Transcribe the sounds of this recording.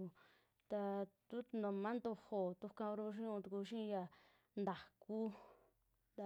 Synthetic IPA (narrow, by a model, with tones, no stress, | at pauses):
t̪a˧t̪u˦nõ˨mã˦nd̪o˧ho˨t̪u˧kã˧o˧ɾu˦˧ʃ̬ĩ˦ũ˧t̪u˧ku˧ʃĩ˦˧ja˧ | nd̪a˨ku˦˧